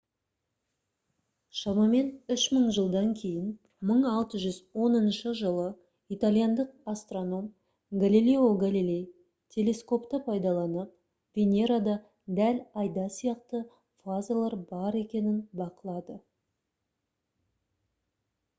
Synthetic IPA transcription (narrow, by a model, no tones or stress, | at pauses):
ʃɑmɑme̞nʏʃməɴʒəlˠd̪ɑŋkʲʰe̞jɪn | məɴɑlˠt̪əʒʏzwo̞nənʃəʒəlˠə | it̪alʲˠijand̪əq̚ast̪ro̞no̞m | ɡalʲilʲeoɡalilʲe̞j | t̪ʲʰe̞lʲe̞sko̞pt̪əpʰɑjd̪ɑlˠɑnəp̚ | v̥ʲe̞nʲe̞ɾad̪ɑ | d̪ælɑjd̪ɑsijɑqt̪ə | fazalˠɑɾbɑɾe̞kʲe̞nɪnbɑqəlˠɑd̪ə